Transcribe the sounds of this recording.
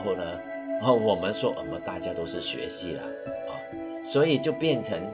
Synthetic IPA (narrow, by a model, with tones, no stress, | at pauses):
xo˥˩ʊnə˨ | ɐ˥˧˩wɔ˨˩mə˦nʂwɔ˥ʔə̰˨˩mə˨˦t̪a̰˥˧t͡ɕja˥˧t̪o˥ʊʂɻ̩˥˩ɕɥɛ̰˧˥ɕi˥˩lɐ̰˩ | ɐ˥˩ | swɔ˧˥i˨˩t͡ɕjo˥˧ʊpjɛ˥˩nʈ͡ʂʰə˧˥ŋ